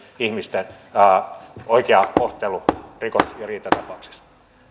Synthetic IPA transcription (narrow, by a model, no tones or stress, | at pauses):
ihmist̪enː | oikeɑkoht̪elurikosjɑriːt̪ːˑɑt̪ɑpɑuksi̥s